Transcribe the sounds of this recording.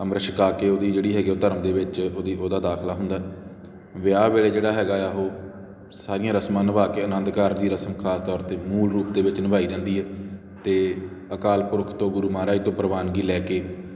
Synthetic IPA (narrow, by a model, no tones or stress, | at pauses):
əmɾəʃəkaːkeːoːd̪iːd͡ʒeːɽiːɦɛːɡiːoʊt̪əɾəmd̪eːʋɪt͡ʃoːd̪iːʔoːd̪aːd̪aːkʰlaːɦʊnd̪aːɦɛ | ʋɪaːʋeːɭeːd͡ʒeːɽaːɦɛːɡaːɛːɦoː | saːɾɪːjãːɾəsmãːnəbaːkeːənə̃nd̪kəɾd̪iːɾəsəmkʰaːst̪ɔːɾt̪eːmuːlɾuːp̚d̪eːʋɪt͡ʃnəbaːiːd͡ʒãːnd̪iːɦɛː | t̪eːəkaːlpʊɾkʰt̪õːɡʊɾuːmaːɾaːiːt̪õːpəɾʋaːnɡiːlɛːkeː